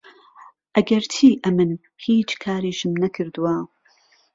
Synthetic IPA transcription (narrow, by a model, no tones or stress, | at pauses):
ʔɐɡɐɾt̪ʰiːʔɐmɨn | hiːt͡ʃkʰaːɾiːʃɨmnɐkʰɨɾd̪uwa